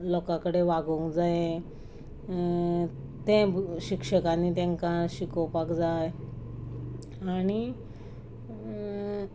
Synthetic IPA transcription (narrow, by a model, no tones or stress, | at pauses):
lɔkakəɽeʋaɡə̃kd͡zajẽ | t̪ɛ̃ɕikʂəkanːit̪ɛ̃ŋkaɕikəwpakd͡zaj | aɽ̃i